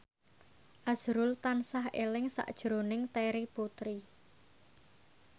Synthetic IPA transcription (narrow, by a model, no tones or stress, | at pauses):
ʔaz̥ɾʊlt̪ansaɦḛlɪŋsa̰ʔd̥ʒ̥ɾonɪŋt̪eɾiput̪ɾi